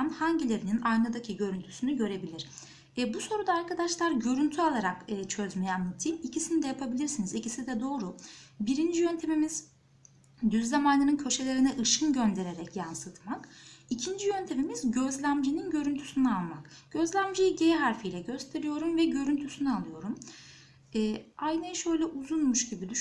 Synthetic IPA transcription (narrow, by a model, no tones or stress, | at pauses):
mhaɲɟilʲe̞ɾininajnad̪acʰiɟø̞ɾynt̪ʰy̥synyɟø̞ɾe̞bilʲiɾ̥ | ɛbuso̞ɾud̪aːɾkʰad̪aʃlˠaɾɟø̞ɾynt̪ʰyalˠaɾakːt͡ʃʰø̞zmejɛanːˠat̪ʰiːnicʰisinid̪ɛjapʰabilʲiɾsinizicisid̪ɛd̪o̞ːɾubiɾind͡ʒijønt̪ʰe̞mimiz̥ | d̪yzlamanːˠɯnɯncʰø̞ʃe̞lʲe̞ɾiniʔɯʃɯnɟønd̪e̞ɾe̞ɾɛcjansɯt̪makicʰind͡ʒijønt̪ʰe̞mimizɟø̞zlʲæmd͡ʒininɟø̞ɾynt̪ʰy̥synɛalˠmakɟ̥ø̞zlʲæmd͡ʒijiɟejɛɦaɾfijlʲɛɟø̞st̪ʰe̞ɾijo̞ɾumvɛɟø̞ɾynt̪ʰysynyalˠɯjo̞ɾum | ɛːajnɯjɯʃø̞jlʲɛʔuzunmuʃɟibilʲyʃ